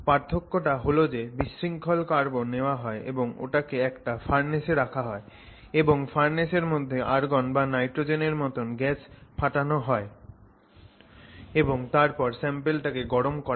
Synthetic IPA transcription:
paɾt̪ʰːokːoʈaɦolod͡ʑebiʃːiŋkʰolkaɾboneoaɦɔeʔḛboŋo̰ʈakeɛkʈafaɾneseɾakʰaɦɔe | eboŋfaɾneʃeɾmod̪ʱːeʔaɾɡɔnbanajʈɾod͡ʑeneɾmɔt̪onɡɛt͡ɕpʰaʈanoɦɔe | eboŋt̪aɾpɔɾsɛmpelʈakeɡɔɾomkɔ

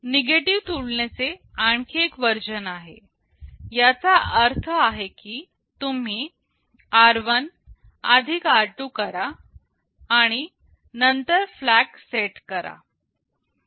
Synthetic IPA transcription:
neɡeʈiʋt̪uɽɳjat͡seaɳkʰekʋəɾd͡ʑənaɦe | jat͡saəɾt̪ʰəaɦekiː | t̪um̤iː | aɾʋən | ad̪ʱikaɾʈuːkəɾaː | ɽ̃i | nənt̪əɾflækseʈkəɾa̰

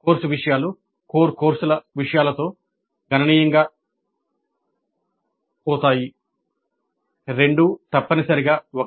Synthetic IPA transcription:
koːɾsuʋiʂɐjaːlu | koːɾkoːɾsulɐʋiʂɐjaːlɐt̪o̞ː | ɡʱɐnɐniːjɐŋɡaː | ɔːt̪aːji | ɾe̞ɳɖut̪ɐpːɐnisɐɾiɡaːok

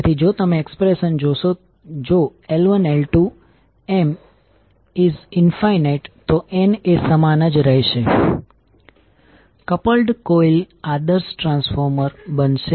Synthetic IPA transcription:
t̪ʰid͡ʒot̪əmeːkspɾeʃənd͡ʒoʃo | d͡ʒoelʋənelʈu | em | izɪnfajneʈt̪oenesəmanəd͡ʒɾəɦeʃe | kəpəlɖkoil | ad̪əɾsʈɾãnsfoɾməɾbənʃe

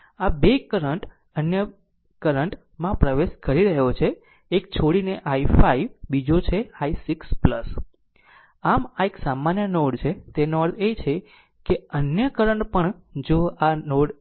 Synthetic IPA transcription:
abekəɾəɳʈ | ənjə | kəɾəɳʈ | mãpɾəʋeʃkəɾiɾəɦot͡ʃʰeː | k̚t͡ʃʰoɽineʔaifaiʋbid͡ʒot͡ʃʰeaisiksplə̰s | amaeksamanjənoɽt͡ʃʰet̪enɔɾd̪et͡ʃʰe | keənjəkəɾəɳʈpəɳd͡ʒoanoɽ

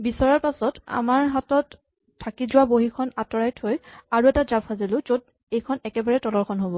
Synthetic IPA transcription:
bisɔɹaɹpasɔta̰maɹɦatɔt | tʰːakizʊwaboɦikʰɔnatɔɹajtʰhojaɹuɛtazabʰazilʊ̃zod̚ | ejkʰɔnɛkɛbaɹɛtɔlɔɹkʰɔnɦobɔ

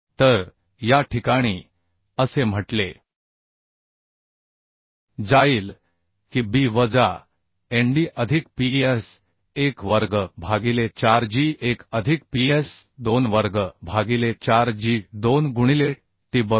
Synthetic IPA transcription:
t̪əɾ | jaʈʰikaɽ̃iː | əsem̤əʈle | d͡zaiːl | kibiʋəd͡za | eɳɖiʔəd̪ʱikpies | ekʋəɾɡəbʱaɡilet͡ɕaɾd͡ʑiːʔekəd̪ʱik̚piesd̪onʋəɾɡəbʱaɡilet͡ɕaɾd͡ʑiːd̪onɡuɽ̃ile | t̪iːbə

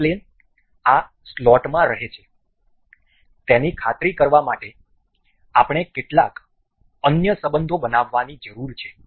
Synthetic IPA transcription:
len | a | slɔʈmãɾəɦet͡ʃʰe | t̪enikʰat̪ɾikəɾʋamaʈe | apɳ̃ekeʈlak | ənjəsəbənd̪ʱobənaʋːanid͡ʒəɾuɾt͡ʃʰe̥

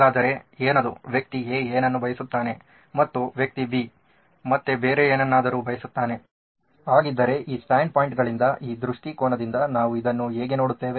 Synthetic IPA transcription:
aːd̪ɐɾe̞eːnad̪uʋjɐk̚t̪ieːeːnɐnːubʱɐjɐsut̪ːaːne̞ | mɐt̪ːuʋjɐk̚t̪ibi | mɐt̪ːebeːɾeeːnɐnːaːd̪ɐɾuːbʱɐjɐsut̪ːaːne̞ | ɦaːɡid̪ːɐɾe̞ʔiːsʈaːɳɖ̚paːjiɳʈɡɐɭind̪ɐʔiːd̪ɾuʂʈikoːɳɐd̪ind̪ɐnaːʋuid̪ɐnːuɦeːɡe̞no̞ːɽut̪ːe̞ːʋe̞

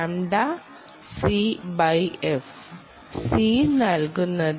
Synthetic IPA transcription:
amɖ̪a | sibajef | sinalɡunə

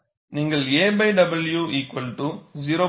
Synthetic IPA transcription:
niŋɡɐɭeːbɐɪɖɐbɐljuːʔiːkʋɐlʈuziɾoː

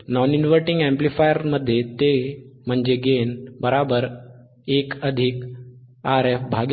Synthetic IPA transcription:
nɔninʋəɾʈiŋɡɛ̃mplifajəɾməd̪ʱːjet̪em̤əɳd͡ʑeɡenbəɾabəɾ | ekəd̪ʱik | aɾefbʱaɡ

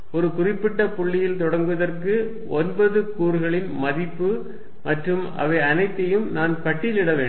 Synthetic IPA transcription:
ɔɾɯkʊrɪpːɪʈːɐpʊɭːɪjɪlt̪ɔɽɐŋɡɯʋɐðɐrkɯ | ɔnbɐðɯkuːɾɯɣɐɭɪnmɐðɪpːɯ | mɐʈrɯm | ɐ̰ʋɐɪɐnɐɪt̪ːɐjɯmnaːnkɐʈːɪlɪɽɐʋeːɳ

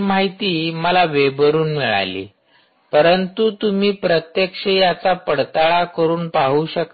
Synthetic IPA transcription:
maɦit̪iːməlaʋebəɾuːnmiɭa̰lḭː | pəɾənt̪ut̪um̤iːpɾət̪jekʂejat͡sapəɽt̪aɭakəɾuːnpaɦuːɕək

